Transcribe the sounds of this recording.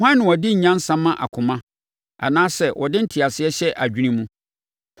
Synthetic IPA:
hã˦nɪ̃˨wɔ˨dɪ˦ɲ̩˨ɲã˦n̩˦sã˦mːã˦ʔa̰˨kʰʊ̃˨mã˦ | a̰˨nãː˦sɛ˨wʔɔ˨dɪ˦n̩˦tʰɪ˨a˨sɪ˦ɛ˦ɕɛ˦ʔa˨d͡ʑᶣy˦nĩ˦mũ˦

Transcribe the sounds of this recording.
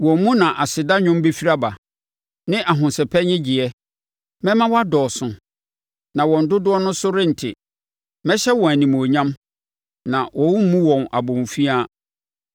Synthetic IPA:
wɔ̃˨˦mũ˦nã˨ʔa˨sɪ˨da˦ɲʊ̃˦m˦be˦fi˦ɾa˦ba˨ | nɪ̃˦ʔa˨ɦʊ̃˨nsɛ˨pʰɛ˦ɲɪ̃˦d͡ʑɪ˨ɛ˦ | mɛ̃˦mã˦wɔ˦a˦dɔː˨sʊ̃˨ | nã˨wɔ̃˨n̩˨dʊ˦dʊ˦ɔ˦nʊ̃˦sʊ˦ɾɪ̃˦n̩˨tʰɪ̰˨ | mɛ̃˦ɕɛ˦wɔ̃˨æ˨nĩ˨m˨o˨ɲã˦m | nã˨wʔɔ̃˨wʊ˦mũ˦wɔ̃˨na˨bɔ̃˨n˨fi˦a˦

